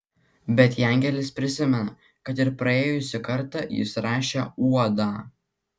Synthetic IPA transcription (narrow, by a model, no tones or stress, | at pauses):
bʲɛt̪jæˑŋʲɡʲɛlʲɪspʲɾʲɪsʲɪmʲɛnɐ | kɐt̪ɪɾpɾɐeːjʊsʲɪkɐɾt̪ɑjɪ̰sɾɑːʃʲeuɔd̪ɑː